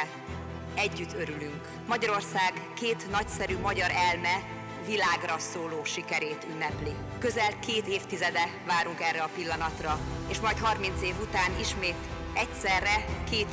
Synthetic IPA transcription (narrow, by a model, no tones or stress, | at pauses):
ɛɟːyt̪ʰːø̞ɾylyŋk | mɒɟɒɾo̞rsaːɡkeːt̪nɒcsɛɾymɒɟɒɾɛlmɛ | vilaːɡrɒsoːloːʃikɛɾeːt̪ynːɛpli | kø̞zɛlkeːt̪eːft̪izɛd̪ɛ | vaːɾuŋkɛrɛɒpilːɒnɒt̪rɒeːʃmɒjt̪hɦɒrmin̪t̪seːvut̪aːniʃmeːt̪ | ɛcsɛrːɛkeːt̪